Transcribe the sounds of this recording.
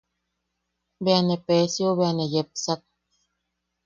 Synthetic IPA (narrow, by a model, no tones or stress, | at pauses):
bɛanɛpɛsioβeanɛjɛp̚sak̚